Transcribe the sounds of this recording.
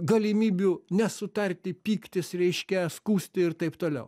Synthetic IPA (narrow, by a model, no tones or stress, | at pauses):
ɡɐlʲɪmʲiːbʲunʲɛsʊt̪ɐrʲt̪ʲɪpʲiːkt̪ʲɪsɾʲɛɪʃʲkʲɛskuːsʲt̪ʲɪɪɾt̪ɐɪpt̪oːlʲɛ̰ʊ